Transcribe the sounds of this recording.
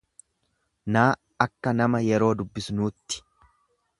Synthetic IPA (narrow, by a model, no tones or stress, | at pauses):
naː | ɐkːɐnɐmɐjɛɾo̞ːd̪ʊbːɪsnuːt̪ːɪ̥